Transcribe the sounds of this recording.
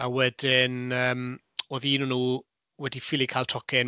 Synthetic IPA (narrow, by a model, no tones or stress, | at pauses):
awɛd̥ɪnəːm | oːðiːnunuː | wɛdifɪlˠikʰaːlˠtʰɔkʰɪn